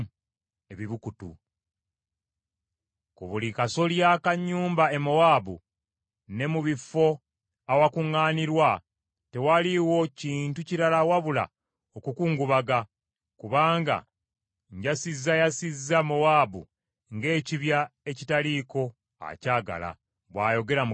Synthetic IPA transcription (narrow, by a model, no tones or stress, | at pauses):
eβiβukutṵ | kuβulikaso̞ljaːkaɲːuːmbae̞mo̞waːbṵ | ne̞muβifo̞ | awakuŋːaːniɾwa | te̞waliwo̞ciːntuciɾalawaβula̰ | okukuːŋɡuβaɡa | kuβaːŋɡa̰ | ɲɟasizːajasizːamo̞waːbṵ | ŋɡe̞ːciβjae̞citaliːko̞ | a̰caːɡa̰la̰ | βwaːjo̞ɡe̞ɾam